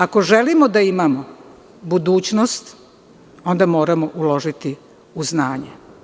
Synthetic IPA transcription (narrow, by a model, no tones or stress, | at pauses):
ako̞ʒelimod̪aimamo | bud̪uːt͡ɕnost̪ | o̞nd̪amo̞ːɾamoʔulo̞ʒit̪i | uznaːɲe